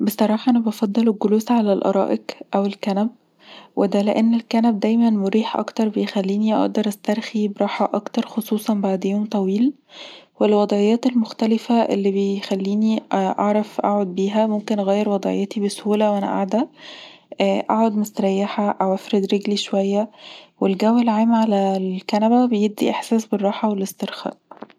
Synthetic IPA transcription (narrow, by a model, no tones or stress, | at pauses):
besˤɑɾˤɑːħɑʔænæbɑfɑd̪ˤːeleɡoluːsʕalælʔɑ̰ɾˤɑ̰ːʔekʔæwelkænæb̚ | wed̪æleʔenːelkænæb̚d̪æjmænmoɾiːħʔɑ̰kt̪ɑɾˤbejexælːiːniʔɑ̰ʔd̪ɑɾˤʔæst̪ɑɾˤxibeɾˤɑːħɑʔɑkt̪ɑɾˤxosˤuːsˤɑnbaʕd̪joːmt̪ˤɑwiːl | welwɑd̪ˤʕejːæːt̪elmoxt̪ælefæʔḛlːibejxælːiːniʔɑʕɾˤɑfʔa̰ʕod̪̚biːɦæmomkenʔæɣæːjːeɾwɑd̪ˤʕḛjːet̪ibeshuːlæwʔænæ̰ʔa̰ʕd̪æ | æʔa̰ʕod̪mest̪ɾˤɑjːaħæʔæwʔæfɾed̪ɾeɡliʃowæjːæwelɡæwelʕaːmʕalælkænæbæbejeb̚d̪ḭʔeħsæːsberˤːɑːħɑwelest̪eɾxæ̰ːʔ